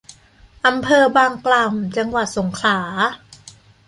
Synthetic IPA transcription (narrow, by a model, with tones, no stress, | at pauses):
ʔa˧mpʰɤː˧baː˧ŋkla˨˩mt͡ɕa˧ŋwa˨˩t̪̚so˩˦ŋkʰlaː˩˦